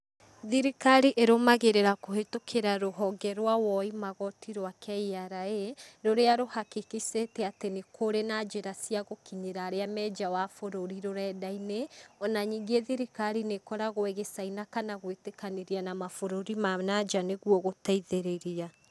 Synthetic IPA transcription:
ðiɾikaɾiʔeɾomaɣeɾeɾakohetokʰeɾaɾoɦɔɡɛɾwawɔimaɣɔtʰiɾwakʰɛiaɾaeɾoɾeaɾohakikisetɛatenekʰoɾenad͡ʒeɾasiaɣokiɲeɾaːɾeamɛːd͡ʒawafoɾoɾiɾoɾɛːdaineɔnaɲiːŋɡeðiɾikaɾinekɔɾaɣoeɣesainakanaɣwetekaneɾianamafoɾoɾimanad͡ʒaneɣwɔɣotaiðeɾeɾia

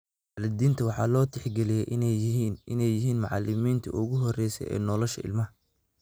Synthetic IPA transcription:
waʕlɪd̪iːnt̪ʰɐwɑħɑːlɔːt̪ʰɪħɡɛlɪjɛʔɪnːnʔɪnɛjɪɦiːnmɑʕɑlɪmiːnt̪ʰɐ̰ʔʊɣʊɦɔrɛjsɛ̰jɛ̰ːnɔlɔʃɐɪ̰lmɐ

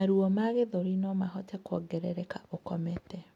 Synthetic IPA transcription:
aɾuɔmaɣeðoɾinɔmaɦɔtɛkwɔɡɛɾɛɾɛkaʔokɔmɛtɛ

